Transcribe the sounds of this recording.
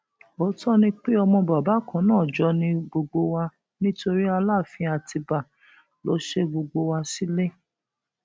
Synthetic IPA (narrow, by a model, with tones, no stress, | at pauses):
o˨˦tɔ˦nĩ˧k͡pe˦ɔ˧mɔ̃˧ba˨ba˨˦kã˨˦nãː˦˨d͡ʒɔ˨˧nĩ˧ɡ͡bo˧ɡ͡bo˧wa˧ | nĩ˦to˧ɾi˦a˧la˦˨fĩ˧˦a˧ti˧ba˨ | lo̰˨˦ʃe˦ɡ͡bo˧ɡ͡bo˧wa˧si˦le˦